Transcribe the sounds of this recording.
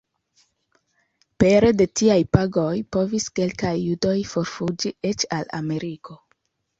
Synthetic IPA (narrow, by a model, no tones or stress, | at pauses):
pe̞ɾe̞de̞tiajpaɡo̞jpo̞viske̞lkajːudo̞jfo̞ɾfud͡ʒie̞t͡ʃa̰la̰me̞ɾiko̞